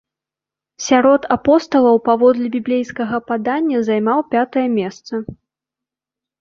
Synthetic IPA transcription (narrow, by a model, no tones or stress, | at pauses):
sʲaɾɔt̪ʰapɔst̪ɐlˠɐwpavɔd̪lʲɛbʲiblʲejskɐɣɐpad̪anʲːɐzajmawpʲat̪ɐjɐmʲɛst̪sɐ